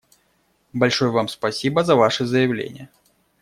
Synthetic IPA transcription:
balʲʂɔjəvamspasʲibɐzɐvaʂɨzɐjɐwlʲḛnʲɪ̰jə

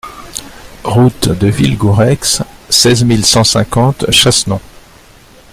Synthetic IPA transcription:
ʁut̪d̪əvilɡuʁɛkssɛzmilsɑ̃sɛ̰̃kɑ̃t̪ʃasnɔ̃

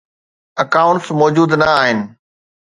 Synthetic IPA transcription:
ɐkaːʊ̃ɳʈsmɔːd͡ʑuːd̪nɐaːɦɪnɪ̆

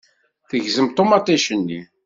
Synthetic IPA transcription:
θəʝzəmt̪ˤːomɑt̪ˤːæʃənːḭ

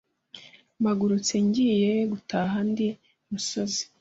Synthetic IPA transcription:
maɡuɾut͡seɲɟiːjeɡutaɦandi | muso̞zi̥

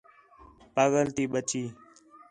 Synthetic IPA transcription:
pəɣəlt̪iːɓət͡ʃiː

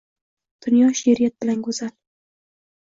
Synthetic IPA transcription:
d̪̥ʊnjɒʃeɾijat̪̚b̥ɪlankʊzal

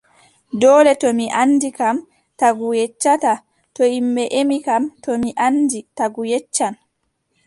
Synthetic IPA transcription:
dɔːlɛtɔmiʔanːdikam | taɡujɛt͡ʃːata | tɔimbɛʔemikamtɔmiʔanditaɡujɛt͡ʃːan

